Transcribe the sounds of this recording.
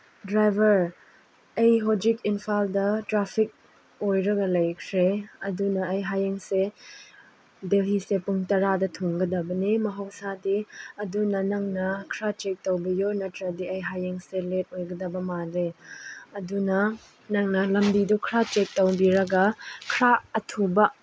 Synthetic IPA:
dɾajbʱɐɾ | ɐjɦod͡ʒikinpʰaldɐtɾapʰik̚ | ojɾɐɡɐlɐjkʰɾeɐdunɐːjɦajeŋse | delɦisepuŋtɐɾadɐtʰoŋɡɐdɐbɐnimɐɦɐwsadiɐdunɐnɐŋnɐkʰɾat͡ʃek̚tɐwbɐjoɾnɐtɾɐdiɐjɦajeŋselet̚ojɡɐdɐbɐmanɾeɐdunɐ | nɐŋnɐlɐmbidukʰɾat͡ʃek̚tɐwbiɾɐɡɐkʰɾaːtʰubɐ

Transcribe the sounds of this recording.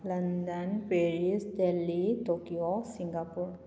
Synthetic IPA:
lɐnd̪ənpeɹisdelːitokiosiŋɡapuɹ

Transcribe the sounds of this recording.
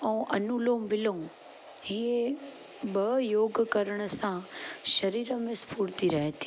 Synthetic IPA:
ɛ̃ũʔɐnuloːmʋɪlõ | ɦie | bɐjoːɡkɐɾəɽ̃ə̆sãʃɐɾiːɾəmɪ̃spʰuːɽt̪iɾɐɦt̪ʰi̥

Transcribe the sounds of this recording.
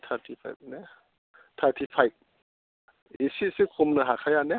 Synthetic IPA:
tʰaɾtʰipʰa̰jp̚ne | t̪ʰaɾtʰipʰajp̚ | isisikʰumnɐɦakʰajane

